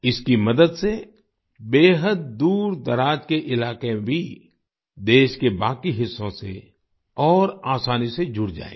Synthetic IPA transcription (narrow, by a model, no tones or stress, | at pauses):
ɪskimɐd̪əd̪se | beːɦəd̪̚d̪uːɾd̪ɐɾaːd͡ʒkeʔɪlaːkebʱi | d̪eːʃkebaːkiɦɪsːõsḛ | ɔːɾaːsaːnised͡ʒʱʊɽd͡ʒa̰ːḛ̃ː